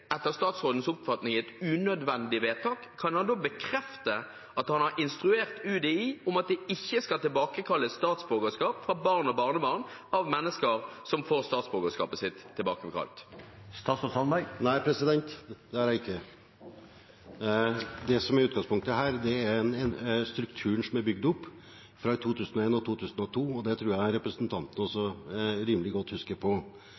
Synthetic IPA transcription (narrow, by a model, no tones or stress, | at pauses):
ɛt̪ːəʁst̪ɑːt̪sʁoːd̪n̩sʊpfɑt̪nɪŋɛt̪ʉnœd̪ʋɛnd̪ɪʋeːt̪ʰɑːkʰːɑnhɑnd̪oːbəkʰɾɛft̪ə | ɑt̪hɑnhɑʁɪnst̪ʁʉeːʁt̪ʉːd̪ɛɪɔmɑt̪̚d̪ɛɪçːəskɑlt̪ɪlbɑːkəkʰɑlːəst̪ɑːt̪sboːɡəskɑːpfʁɑbɑːʁnɔbɑʁnəbɑʁnɑʋmɛnːəskəɾsɔmfoːʁst̪ɑːt̪sboːɡəskɑ̰ːpəsɪt̪ʰːɪlbɑːkəkʰɑ̰lt̪st̪ɑːsɔsɑnbænæɪpʰɾɛsɪd̪ɛnt̪d̪ɛhæɾæɪkʰːə | d̪ɛsɔmæɾʉːt̪̚ɡɑŋspʰʊŋkt̪əɦæːɾd̪ɛæɾnɛst̪ɾʉkt̪ʰʉːəɳsɔmæɾbʏɡd̪ʊpː | fɾɑt̪ʰuːt̪ʰʉːsn̩ɔeːnɔt̪ʰuːt̪ʰʉːsnɔt̪ʰuːɔd̪ɛt̪ʰɾʉːjæɪɾɛpɾəsənt̪ʰɑnt̪n̩ɔsɔɾiːmlɪɡɔt̪ːhʉskəɾpʰɔ